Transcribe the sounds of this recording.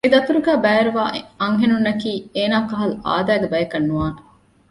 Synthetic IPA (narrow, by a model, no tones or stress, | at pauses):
ed̪ɐt̪uɾuɡæːbæːɐɾuʋa̰ːʔɐŋɦenunːɐkiːeːnaːkɐɦɐlua̰ːd̪æːɡebɐjɐkɐnːuʋaːne